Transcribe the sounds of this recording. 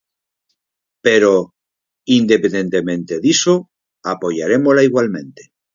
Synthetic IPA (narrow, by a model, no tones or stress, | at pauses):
peɾo | ind̪epnd̪e̞nt̪emẽnt̪eðiso | apo̞ʝaɾe̞molaiɣwalmẽ̞nt̪e